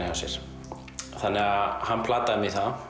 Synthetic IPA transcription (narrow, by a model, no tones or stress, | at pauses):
ɪasjɛ̰ɾ̥ | θanːɛɣahanːpʰlaːt̪aðmiθað